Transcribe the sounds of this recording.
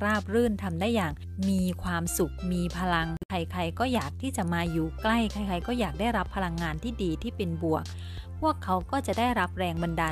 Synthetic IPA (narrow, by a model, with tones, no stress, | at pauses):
ɾaː˥˩p̚ɾɯː˥˩nt̪ʰa˧mdaː˥˩jːaː˨˩ŋ | miː˧kʰwaː˧msu˨˩k̚miː˧pʰa˧la˧ŋkʰa˧jkʰa˧jkɔː˥˩jaː˨˩k̚t̪ʰiː˥˩t͡ɕa˨˩maː˧juː˨˩kla˥˩jkʰa˧˩jkʰa˧jkɔː˥˩jaː˨˩k̚daː˥˩jɾa˦˥pʰːa˧la˧ŋːaː˧nt̪ʰiː˥˩diː˧t̪ʰiː˥˩pe˧nbu˨˩ək̚ | pʰu˥˩əkʰːa˨˦˥wkɔː˥˩t͡ɕa˨˩daː˥˩jɾa˦˥p̚ɾɛː˧ŋba˧ndaː˧